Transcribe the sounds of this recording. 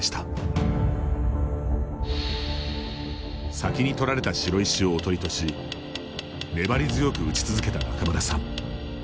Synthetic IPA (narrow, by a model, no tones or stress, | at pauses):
ɕi̥t̪ḁ | sakʲiɲ̟it̪o̞ɾaɾe̞t̪aɕiɾo̞iɕio̞ːt̪o̞ɾit̪o̞ɕi | ne̞baɾʲizɨjo̞kɯ̟ɯt͡ɕi̥t͡sɨzɨke̞t̪akakamaɾasã